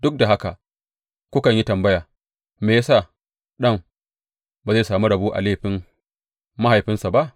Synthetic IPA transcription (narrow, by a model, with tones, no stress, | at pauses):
d̥ʊ˦k̚da˨ɦa˦ka˨ | kʷʊ˦kɐ˨ɲji˦tɐ˨mbɐ˦jaː˨ | meː˨ja˦sa˦˨ | ɗɐ˦˨m | ba˨za˦˨jsaː˨mu˦ɽɐ˨buː˦ʔa̰˨leː˦˨ɸɪ˦mː | a˦ha˨jɸɪ˦nsa˨ba˦ʔ